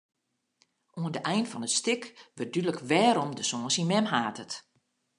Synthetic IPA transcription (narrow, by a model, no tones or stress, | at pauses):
oəndəʔɛjnfɔnətstɪkʋər̚dydləkʋɛːɾɔmdəsoːnsimɛmɦaːtʰət